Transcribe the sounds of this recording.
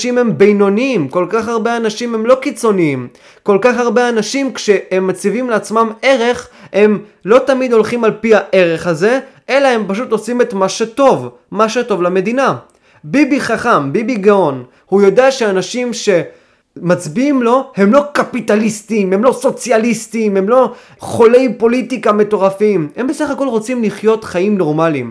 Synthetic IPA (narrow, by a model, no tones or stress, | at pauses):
ʃimhe̞mbejno̞niimko̞lkaχaʁbe̞anaʃimhe̞mlo̞kit͡so̞niim | ko̞lkaχaʁbe̞anaʃimkʃe̞hemːat͡sivimleat͡smame̞ʁe̞χhe̞mlo̞tamid̪o̞lχimalpihaʔe̞ʁe̞χaze̞ʔe̞lae̞mpaʃut̪o̞sime̞t̪maʃet̪o̞v | maʃeto̞vlame̞d̪ina | bibiχaχambibiɡao̞n | hujo̞deaʃeanaʃimʃe̞ | mat͡sbiimlo̞he̞mlo̞kapit̪alistime̞mlo̞so̞t͡sjalistime̞mlo̞ | χo̞le̞jpo̞litikame̞to̞ʁafimhe̞mbe̞saχako̞lʁo̞t͡simliχjo̞t̪χaimno̞ʁmalim